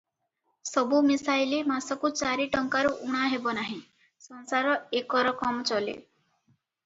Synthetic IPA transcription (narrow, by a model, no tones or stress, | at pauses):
sɔbumisajlimasɔkut͡ʃaɾiʈɔŋkaɾuʔuɽ̃aɦebɔnaɦĩ | sɔnsaɾɔekɔɾɔkɔmɔt͡ʃɔlḛ